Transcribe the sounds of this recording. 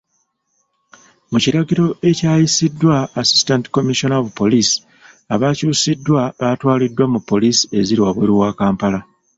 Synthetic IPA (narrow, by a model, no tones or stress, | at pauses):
muciɾaɟiɾo̞e̞caːjisidːwaːsi̥stanti̥ko̞miʃo̞naovupo̞lisi̥ | aβacuːsidːwaβatwaːlidːwamupːo̞lisi̥e̞ziɾiwaβweːɾuwaːkaːmpala